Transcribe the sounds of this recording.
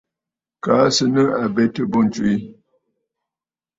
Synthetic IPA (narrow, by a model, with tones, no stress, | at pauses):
kaː˨˦sə˦nə˦a˨bɛ˦tə˦bo˦n̩˨t͡ʃwi˨i˦